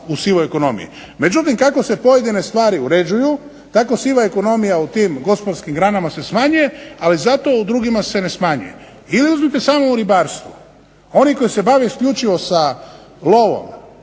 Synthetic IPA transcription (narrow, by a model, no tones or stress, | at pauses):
usiʋoeko̞no̞mḭjḭ | me̞d͡ʒut̪imkako̞se̞po̞je̞d̪ine̞st̪ʋaːɾiuɾe̞d͡ʒuju | t̪ako̞siʋaeko̞no̞mijaut̪iːmɡo̞spod̪ɾskimɡɾanamase̞smaɲuje̞alizat̪o̞ud̪ɾuɡimase̞ne̞smaɲṵje̞̰ | iliuzmit̪e̞saːmouɾibaːɾst̪ʋu | o̞niko̞jise̞baʋeiskʎʲut͡ʃiʋo̞sa | lo̞ʋo̞̰m